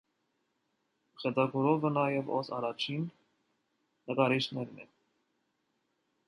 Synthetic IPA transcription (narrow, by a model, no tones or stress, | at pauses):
χɛtɑɡɔɾɔvənɑjɛvɔsɑ̰ɾɑt͡ʃʰin | əkɑɾit͡ʃnɛɾnɛ̰